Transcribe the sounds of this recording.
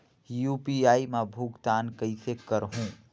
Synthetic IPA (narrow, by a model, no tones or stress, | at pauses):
juːpiaːimãbʱuɡt̪aːnkəɪsekəɾɦũː